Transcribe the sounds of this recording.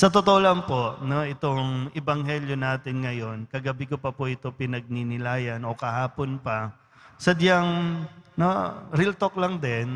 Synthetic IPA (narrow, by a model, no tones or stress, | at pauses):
sɐt̪ot̪oʔolɐŋpo̞ʔno̞ʔɪt̪o̞ŋɛbɐŋɦɛljonaːt̪ɪnŋɐjo̞nkɐɡɐbɪkopɐpʊʔɪt̪o̞pɪnɐɡ̚ninɪlaːjɐno̞kɐhaːponpɐ | sɐd̪jɐŋnoɾɪlt̪oklɐŋd̪ɛn